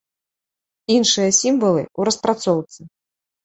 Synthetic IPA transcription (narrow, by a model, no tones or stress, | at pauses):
inʂɨjɐsʲimvɐlˠɨ̰uɾɐspɾat̪sɔwt̪sɨ